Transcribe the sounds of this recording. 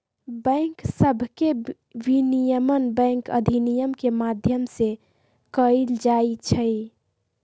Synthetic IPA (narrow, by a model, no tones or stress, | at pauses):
bə̃ŋksəbʱke | ʋinijəmənbə̃ŋkə̰d̪ʱinijəmkemad̪ʱjəmse | kəild͡ʒait͡ʃʰəj